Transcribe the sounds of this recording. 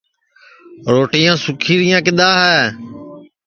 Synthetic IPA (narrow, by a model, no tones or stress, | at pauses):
ɾoːʈijãːsʊkʰiːɾɪjãːkɪɗ̪aːɦɛː